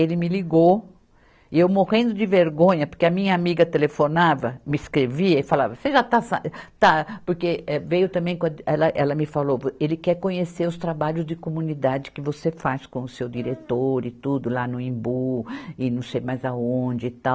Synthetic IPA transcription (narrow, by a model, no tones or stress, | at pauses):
elɪmɪliɡo | ɪewmoʁẽnd̪ʊd͡ʒɪveɾɡõɲɐpoɾkeɐmĩɲɐamiɡɐt̪elefonavɐmɪskɾeviɐɪfalavɐseʒat̪asɐt̪apoɾkeɛvejʊt̪ɐ̃mbẽj̃kõɐɛlɐʔɛlɐmɪfalovelɪkɛɾkõɲeseɾʊst̪ɾabaʎʊzd͡ʒɪkomũnid̪ad͡ʒɪkɪvosefaskõʊsewd͡ʒiɾet̪oɾɪt̪ud̪ʊlanʊĩmbuɪnɐ̃w̃sejmajzɐõd͡ʒɪːt̪aw